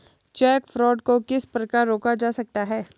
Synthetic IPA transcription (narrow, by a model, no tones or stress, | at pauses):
t͡ʃɛːkfɾɔːɖ̚kokɪspɾɐkaːɾːoːkad͡ʒaːsɐk̚t̪aɦɛː